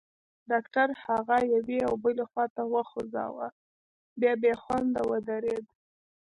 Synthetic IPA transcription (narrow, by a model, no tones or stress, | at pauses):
ɖɑkʈaɾhaɣajaweawbəlexwɑt̪awəxozɑ̰wa̰ | bjɑbexwand̪awəd̪aɾed̪